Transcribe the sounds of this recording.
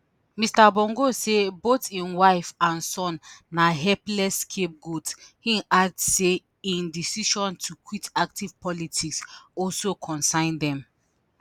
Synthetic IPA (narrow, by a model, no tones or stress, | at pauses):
mistabɔ̃ŋɡosebotĩnwaɪfãnsɔ̃nːaɦɛplɛskʰep̚ɡutshĩaɡ̚dse | ĩndisiʃɔ̃ntʰukwitak̚tiv̥pʰɔlitʰiksɔlsokʰɔ̃nsãɪ̃ndɛ̃m